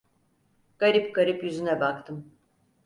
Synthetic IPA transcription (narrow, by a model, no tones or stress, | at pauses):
ɡ̥aɾipɡaɾipjyzynɛbakt̪ʰɯm